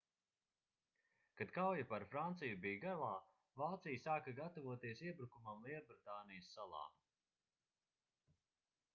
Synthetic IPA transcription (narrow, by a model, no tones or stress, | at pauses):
kad̪kawjapaɾfɾant̪sijubijɡalˠaː | vaːt̪sijsaːkɐɡat̪ɔvuɔt̪iɛsiɛbɾukumamlˠiɛbɾit̪aːnijɐsːalˠɑ̰ː